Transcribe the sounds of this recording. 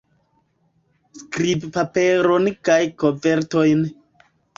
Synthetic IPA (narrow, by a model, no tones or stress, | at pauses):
skɾibpape̞ɾonkajkove̞ɾto̞jn